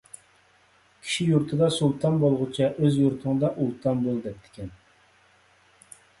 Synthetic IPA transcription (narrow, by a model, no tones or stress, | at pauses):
kʲʰi̥ʃijuɾt̪ʰɨd̪ɑsulˠt̪ʰɑnbolˠʁʊt͡ʃʰɑʔøzjuɾt̪ʰɨŋd̪ɑʔulˠt̪ʰɑnbolˠd̪ɛp̚t̪ʰɪ̥kʲʰɛn